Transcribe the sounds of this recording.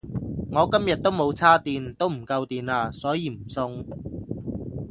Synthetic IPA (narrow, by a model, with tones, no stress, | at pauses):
ŋɔː˨˧kɐ˥mjɐ˨t̚t̪ːo˥wmo˨˧wt͡sʰaː˥t̪iː˨˧nt̪o˥wm̩˨˩kɐ˧wt̪iː˨˧naː˧sɔː˨˥jiː˨˧m̩˨˩sʊ˧ŋ